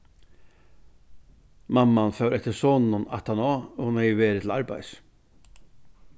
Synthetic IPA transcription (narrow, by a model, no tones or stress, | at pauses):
mamːanfœwɾʔɛt̪əɾsoːnnʊna̰t̪ʰanɔːɔmɛjʋeːɾɪt̪ʰɪl̩aɾba̰js